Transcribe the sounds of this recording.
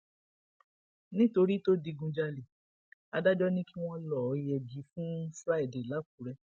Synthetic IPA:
nĩ˦to˧ɾi˦to˦di˧ɡũ˧d͡ʒa˧le˨ | a˧da˦d͡ʒɔ˦nĩ˦ki˦w̃ɔ̃˦lɔ˨ɔ˨jɛ˧d͡ʒi˨˧˦fũ˦fɾa˦i˨de˨la˨˦k̚u˨ɾɛ˧

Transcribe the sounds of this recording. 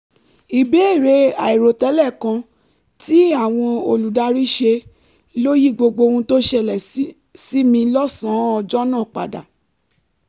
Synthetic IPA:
i˨be˨˦e˦˨ɾe˨˧˦a̰˨i˨ɾo˨tɛ˦lɛ˦˨kã˧ | ti˦a˦˨w̃ɔ̃˧o˧lu˨da˧ɾi˦ʃe˧ | lo˦ji˦ɡ͡bo˧ɡ͡bo˧ũ˧to˦ʃɛ˧˨lɛ˨˦ | si˦mĩ˧lɔ˦sã˨˦ɔ˧d͡ʒɔ˦nãː˦˨k͡pa̰˨da̰˨

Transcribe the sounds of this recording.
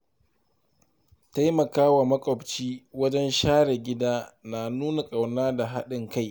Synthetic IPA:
ta˦jmɐ˨kaː˦wa˨mɐ˦kʷʼɔ˨bt͡ʃiː˦wɐ˦d͡ʒɛ˦nʃaː˦ɽɛ˨ɡʲɪ˦daː˦naː˨nuː˦na˨kʼa˨wnaː˦da˨ɦa˦ɗɪ˨ŋka˦˨j

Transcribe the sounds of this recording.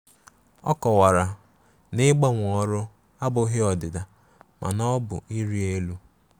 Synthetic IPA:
ɔ̰˦kɔ˨wa˨ɾa˨ | nɪ˦ɡ͡ba˦ŋʷ˨ɔ˦ɾʊ˦ | a˦bʊ˦ɦɪ˦ɔ˨dɪ˨da˨ | mʔa̰˨nɔ˦bʊ̰˨i˦ɾi˦e˦lu˦

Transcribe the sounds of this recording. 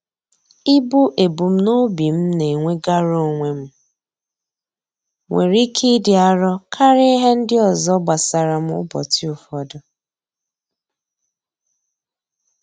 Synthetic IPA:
ɪ˦bʊ˦ʔe˨bu˨m̩˦no˦bi˨m̩˦ne˨ŋʷe˦ɡa˦ɾo˦˨ŋʷe˨m̩˦ | ŋʷe˨ɾi˦kʰi˦dɪ˨a˦ɾɔ˦kʰa˦ɾe˦ɦe˦n̩˦dɪ˦ɔ˨zɔ˦ɡ͡ba˨sa˨ɾa˨m̩˦ʊ̰˦bɔ̰˨ti˦u˨fɔ˦dɔ˨

